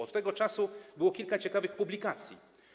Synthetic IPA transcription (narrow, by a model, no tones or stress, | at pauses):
ɔt̪ːɛɡɔt͡ʂasubɘwɔkʲilkat͡ɕɛkavɘxpublʲikat̪sʲjḭ